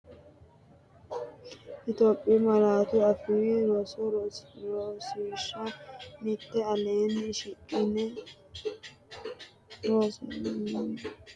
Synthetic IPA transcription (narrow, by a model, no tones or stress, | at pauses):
ʔɪt̪oːpʼːimɐɾaːt̪ʊɐfiɾɔs | ɾosɪʃːɐmɪt̪ːɛɐleːnɪʃɪkʼːɪnɛ | ɾos